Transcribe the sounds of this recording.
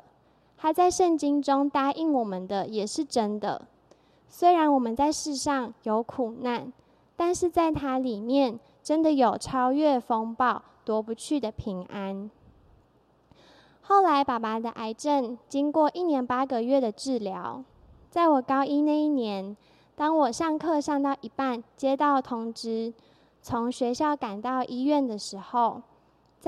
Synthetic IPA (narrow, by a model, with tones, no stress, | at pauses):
xa˨˧˥ɪt͡sa˥˧ɪʂə˥˩nt͡ɕi˥nʈ͡ʂʊ˦ŋt̪a˥ʔi˥˩ŋwɔ˨˩mə˨nd̪ə˨jɛ˨˩ʂɻ̩˥˩ʈ͡ʂə˦˥nd̪ə̰˨ | swe˥ɪɻa˧˦nwɔ˨˩mə˨nt͡sa˥˧ɪʂɻ̩˥˧ʂɑ˥˩ŋjo˧˥ʊkʰu˨˩na˥˩n | t̪a˥˧nʂɻ̩˥˧t͡sa˥˩ɪt̪ʰa˥li˨˩mjɛ˥˨n | ʈ͡ʂə˦˥nd̪ə˨jo˨˩ʊʈ͡ʂʰɑ˥ʊɥɛ˥˩fɤ˦ŋpɑ˥˩ʊ | t̪wɔ˧˦pu˧˦t͡ɕʰy˥˩d̪ə˩pʰi˧˥ŋʔa˦˥n | xo˥˩ʊla˧˦ɪpa˨˩pa˨˩d̪ə˧ʔa˧˥ɪʈ͡ʂə˥˨nt͡ɕi˦˥ŋkwɔ˥˨ʔi˥˩njɛ˧˥npa˥ɡə˨ɥɛ˥˩d̪ə˩ʈ͡ʂɻ̩˥˩ljɑ˧˦ʊ | t͡sa˥˩ɪwɔ˨˩kɑ˥ʊi˦na˥˧i˥˩njɛ˧˦n | t̪ɑ˥ŋwɔ˨˩ʂɑ˥˧ŋkʰɤ˥˧ʂɑ˥˧ŋt̪ɑ˥˩ʊʔi˧˩pa˥˩nt͡ɕjɛ˦˥t̪ɑ˥˩ʊt̪ʰʊ˧˥ŋʈ͡ʂɻ̩˥ | t͡sʰo˧˥ŋɕɥɛ˧˥ɕjɑ˥˩ʊka˨˩nt̪ɑ˥˩ʊʔi˥ɥɛ˥˨nd̪ə˩ʂɻ̩˧˥xo˥˧ʊ